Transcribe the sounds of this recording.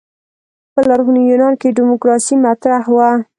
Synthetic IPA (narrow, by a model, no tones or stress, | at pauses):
pəlaɾɣunijunɑnkeɖɪmʊkɾɑsimat̪ɾahwa